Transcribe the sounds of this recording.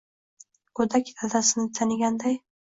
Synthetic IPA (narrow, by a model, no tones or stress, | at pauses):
kʰɵd̪akʲd̪ʰad̪asɪnɪt̪ʰanɪɡʲand̪aj